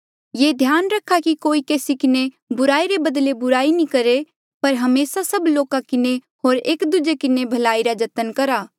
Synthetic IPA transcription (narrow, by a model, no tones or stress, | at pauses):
jeːd̪ʱjaːnɾɐkʰːakikoːikeːsikɪne | bʊɾaːiɾebɐd̪lebʊɾaːinĩkɐɾe | pɐɾɦɐmeːsasɐbloːkãkɪne | ɦoːɾeːkd̪ʊd͡ʒekɪnebʱɐlaːiɾad͡ʒɐt̪ənkɐɾaː